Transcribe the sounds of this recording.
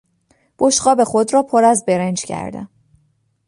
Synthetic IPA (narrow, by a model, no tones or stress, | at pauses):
b̥oʃɢɒːbe̞xo̞d̪rɒːpʰoɾæzbeɾend͡ʒcʰæ̰ɾd̪æ̰n